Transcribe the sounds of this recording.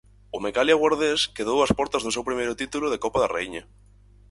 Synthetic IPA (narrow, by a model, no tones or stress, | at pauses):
omekaljaɣwaɾðeskeðowaspɔɾt̪azðos̬ewpɾimejɾʊt̪it̪uloðekɔpaðarḛjɲa